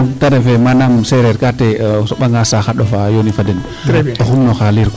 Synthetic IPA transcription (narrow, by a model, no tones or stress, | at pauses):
mtaɾɛfɛmanamsɛɾɛɾkatɛsɔɓaŋɡasaxaɗɔfajonifadɛn | ɔxumnɔxaliɾk